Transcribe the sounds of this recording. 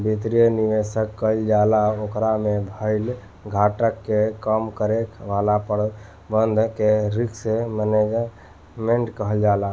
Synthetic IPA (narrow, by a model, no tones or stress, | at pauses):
bit̪ɾijəniʋesəkːəld͡ʒalaokɾamebʱəɪl | ɡʱaʈəkːekəmkəɾekʋalapəɾ | bənd̪ʱkeɾikseməned͡ʒ | meɳʈkəɦəld͡ʒala